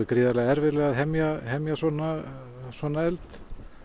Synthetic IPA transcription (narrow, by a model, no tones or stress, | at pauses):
ɪkɾɪːðalɛɣaɛɾvɪɾlɛːɣaðɦɛmjahɛmjasɔnːa | sɔnːaɛlt̪